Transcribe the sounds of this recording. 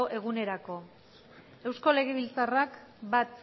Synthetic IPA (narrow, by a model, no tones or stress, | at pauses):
ʔe̞ɣ̞une̞ɾako̞ | e̞wsko̞le̞ɣ̞eβ̞ilt͡sarakbat̪̚